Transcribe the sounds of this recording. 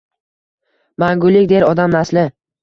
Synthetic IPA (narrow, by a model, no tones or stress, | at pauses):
maŋɡʊlːɪkʲd̪eɾɒd̪amnaslɪ